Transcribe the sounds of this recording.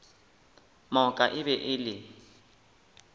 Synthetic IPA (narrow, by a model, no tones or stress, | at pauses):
mɔkʼaʔɪbɛʔɪlɪ